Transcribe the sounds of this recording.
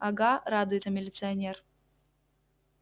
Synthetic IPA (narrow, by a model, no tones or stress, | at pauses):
ɐɡaɾad̪ʊjɪt̪ɐmʲɪlʲɪt̪sɨɐnʲer